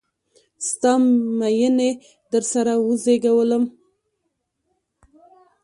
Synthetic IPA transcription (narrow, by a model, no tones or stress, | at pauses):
st̪ɑmajəne | d̪əɾsaɾawəzeɡawələm